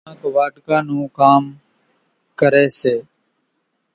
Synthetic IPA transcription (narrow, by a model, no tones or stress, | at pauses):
ãːkoʋaːʈkãːnũːkaːm | kəɾeːseː